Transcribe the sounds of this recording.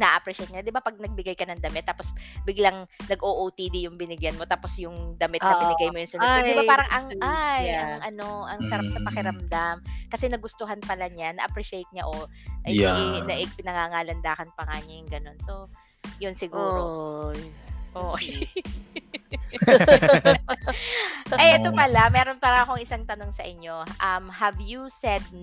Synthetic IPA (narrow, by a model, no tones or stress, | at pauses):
nɐʔɐpɾɛʃɛjt̪̚ɲad̪ɪbapɐɡ̚nɐɡ̚bɪɡajkɐnɐŋd̪ɐmɛt̪ːaːposbɪɡlɐŋnɐɡʔoːʔowt̪id̪ijʊŋbɪnɪɡjɐnmo̞t̪aːpo̞sjʊŋd̪ɐmɪt̪ːɐbɪɪɡajmojʊnsɐnɛd̪ɪbapaːɾɐŋʔɐŋʔajɐʔɐno̞ʔɐŋsɐɾap̚sɐpɐkɪɾɐmd̪amkɐsɛnɐɡʊst̪oɦanpɐlaɲanɐʔɐpɾɛʃɪejt̪̚ɲaʔo | ʔɐjɪnɐʔɪpɪnɐŋaŋaːlɐnd̪aːkɐnpɐŋaɲɐjʊŋɡɐno̞nso̞ | jʊnsɪɡuɾ | ʔo | ʔɐjʔɛt̪opɐlamɛːɾonpɐɾɐŋɐkoŋʔɪsaŋt̪ɐno̞ŋsɐʔɪɲːo̞ʔɐmhɐvjusɛd̪̚